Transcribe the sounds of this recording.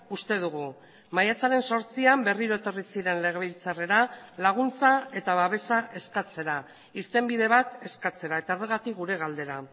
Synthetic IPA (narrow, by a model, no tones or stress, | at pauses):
ust̪e̞ð̞uɣ̞u | majat͡saɾe̞nso̞ɾt͡siambe̞riɾo̞e̞t̪o̞risiɾe̞nle̞ɣ̞e̞βilt͡sare̞ɾalaɣ̞unt͡sae̞t̪aβaβ̞e̞saʔe̞skat͡se̞ɾa | iɾt̪e̞mbiðe̞βat̪e̞skat͡se̞ɾae̞t̪ao̞reɣ̞at̪ikɣuɾe̞ɣ̞ald̪e̞ɾa